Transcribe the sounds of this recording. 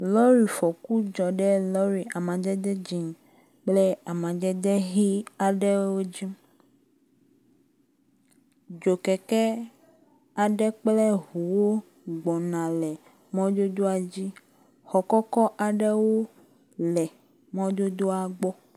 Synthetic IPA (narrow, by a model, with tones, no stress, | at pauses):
lɔ˦ɾi˨fɔ˨ku˦d͡ʒɔ˨ɖɛ˦lɔ˦ɾi˨ʔa˨mã˨d̪ɛ˦d̪ɛ˦d͡ʑi˨ŋ | k͡plɛ˦a˨mã˨d̪ɛ˦d̪ɛ˦ɦi˦a˨ɖɛ˦wo˦d͡ʑi˦ | d͡ʒo˨kɛ˨kɛ˦ | a˨ɖɛ˦k͡plɛ˦ɦu˨wo˦ | ɡ͡bɔ˨nã˨lɛ˨ | mɔ̃˦d̪o˦d̪o˦a˨d͡ʑi˦ | xɔ˨kɔ˦kɔ˦ʔa˨ɖɛ˦wo˦ | lɛ˨ | mɔ̃˦d̪o˦d̪o˦a˨ɡ͡bɔ˦